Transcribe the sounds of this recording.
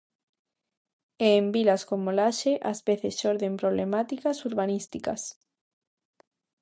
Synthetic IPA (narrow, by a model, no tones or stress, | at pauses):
eːmbilaskomolaʃeʔazβeθesoɾðempɾoβ̞lemat̪ikasuɾβanist̪ika̰s